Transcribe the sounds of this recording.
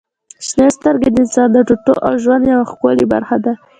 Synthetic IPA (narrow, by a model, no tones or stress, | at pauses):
ʃnest̪əɾɡed̪əɪnsɑnd̪əʈuʈoʔawʒwand̪jawaxkaliba̰ɾxad̪a